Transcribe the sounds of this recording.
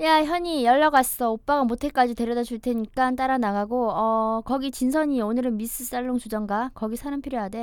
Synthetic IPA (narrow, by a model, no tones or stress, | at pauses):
jaçjʌɲijʌɭːaɡas͈ʌop͈aɡamotʰe̞k͈ad͡ʑite̞ɾjʌdat͡ɕʰuɭtʰe̞ɲik͈ant͈aɾanaɡaɡoʌkʌɡit͡ɕinsʰʌɲionɯɾɯnmis͈ɯs͈aɭːoŋt͡ɕud͡ʑʌŋɡakʌɡisʰaɾampʰiɾjojade̞